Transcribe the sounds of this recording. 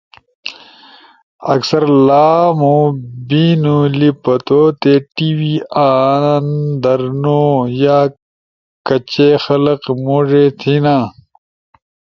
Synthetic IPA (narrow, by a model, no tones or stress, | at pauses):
ɐ̰ksɐɾlaːmũːbiːnulipɐt̪oːt̪eːʈiːwiːaːnnd̪ɐɾnoːjaː | kɐt͡ɕexɐlɐqmoːʐet̪ʰinãː